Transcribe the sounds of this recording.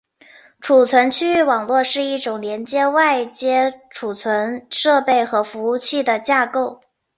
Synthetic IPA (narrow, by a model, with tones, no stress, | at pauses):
ʈ͡ʂʰu˨˩t͡sʰwə˧˥nt͡ɕʰy˥˩wɑ˨˩ŋlwɔ˥˧ʂɻ̩˥˧i˥˩ʈ͡ʂʊ˨˩ŋljɛ˧˥nt͡ɕjɛ˥wa˥˩ɪt͡ɕjɛ˥ʈ͡ʂʰu˨˩t͡sʰwə˧˥nʂɤ˥˧pe˥˩ɪxɤ˧˥fu˧˥u˥˧t͡ɕʰi˥˩d̪ə˩t͡ɕja˥˧ko˥˩ʊ